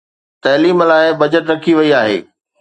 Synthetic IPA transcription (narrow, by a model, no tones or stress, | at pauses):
t̪ɐːliːmlaːɪbɐd͡ʑəʈɾɐkʰiʋɐiaːɦḛː